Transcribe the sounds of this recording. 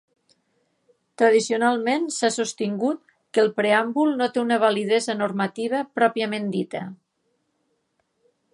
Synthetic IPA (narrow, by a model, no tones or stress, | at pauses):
t̪ɾəð̞isiunalˠmensasust̪iŋɡut̪̚ | kəlˠpɾeambulˠnot̪eunəβ̞alið̞ezənormət̪iβ̞əpɾɔpiəmend̪it̪ə